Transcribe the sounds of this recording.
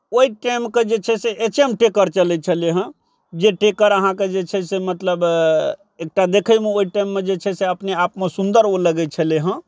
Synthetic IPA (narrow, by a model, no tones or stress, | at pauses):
oiʈajmked͡ʒet͡ʃʰɛseʔet͡ʃemʈekəɾt͡ʃəlɛt͡ʃʰəleɦə̃ | d͡ʒeʈekəɾəɦãked͡ʒet͡ʃʰɛsemət̪ləb | ek̚ʈad̪ekʰəjmeoiʈajmːed͡ʒet͡ʃʰɛseəpneapmesund̪əɾoləɡɛt͡ʃʰəleɦə̃